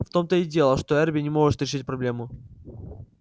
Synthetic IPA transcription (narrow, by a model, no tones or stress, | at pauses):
ft̪o̞mt̪əɪdʲelˠəʂt̪o̞ɛrbʲɪnʲɪmo̞ʐɨt̪ɾʲɪʂɨt̚ʲpɾɐblʲe̞mʊ